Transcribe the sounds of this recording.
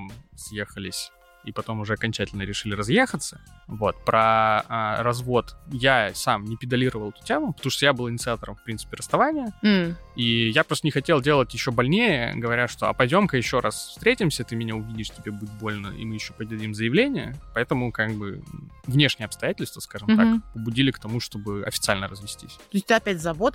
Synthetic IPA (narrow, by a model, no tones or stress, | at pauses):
msjexəlʲɪsʲ | ipɐt̪o̞mʊʐɛɐkɐnʲt͡ɕætʲɪlʲnəɾʲɪʂɨlʲɪɾɐzjexət̪səvo̞t̪pɾʔəaɾɐzvo̞t̪jasamnʲɪpʲɪd̪ɐlʲiɾəvəlˠɛt̪ʊ̥tʲemʊpə̥t̪ɐmuʂt̪ojabɨlˠɨnʲɪt̪ɨat̪əɾəmfpɾʲint̪sɨ̥pʲɪrəst̪ɐvanʲɪjə | ijapɾot̪ənʲɪxɐtʲe̞lˠdʲe̞lˠətʲjɪɕːo̞bɐlʲnʲejə̰ɡəvɐɾʲaʂt̪o̞ɐ̰pɐdʲo̞mkəjɪɕːo̞ɾasfst̪ɾʲetʲɪmsʲət̪ɨmʲɪnʲaʊvʲidʲɪʂtʲɪbʲebudʲɪt̪̚bo̞lʲnə̰ḭmɨjɪɕːo̞pədʲɐdʲimzəjɪvlʲenʲɪjə̰pɐɛt̪əmʊkaɡ̚bɨvnʲe̞ʂnʲɪjəɐpst̪ɐjætʲɪlʲst̪vəskaʐɨmakpəbʊdʲilʲɪkt̪ɐmuʂt̪o̞bɨɐ̰fʲɪt̪sɨalʲnəɾəzvʲɪsʲtʲisʲt̪oɪsʲtʲt̪ɨɐpʲætʲzɐvot̪